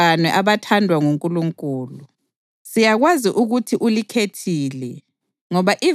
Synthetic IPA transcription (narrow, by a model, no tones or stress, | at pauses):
anɛʔaβatʰandʱwaŋuŋkʼuluŋkʼuːlu | sijaɣwaziʔuɣutʰiʔulikʰetʰiːlɛ | ŋɔβaʔi